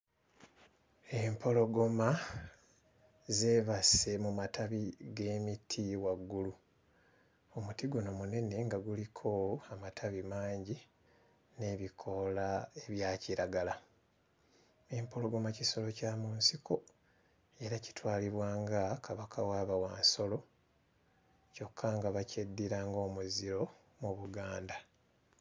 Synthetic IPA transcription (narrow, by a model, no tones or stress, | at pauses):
e̞mpʰo̞lo̞ɡo̞ma | ze̞ːβase̞mumataβiɡe̞ːmitʰiwaɡːulu | o̞mutiɡuno̞mune̞ne̞ŋɡaɡulikʰo̞amatʰaβimaːɲɟi | ne̞βikʰo̞lae̞βjaːciɾaɡala | miːmpoloɡumaciso̞lo̞caːmuːnsikʰo̞ | e̞ɾaci̥twaːliβwaːŋɡakʰaβakʰawaːβawaːnso̞lo̞ | co̞kʰːaŋɡaβacedːiɾaːŋɡo̞ːmuziɾo̞ | muβuɡaːnda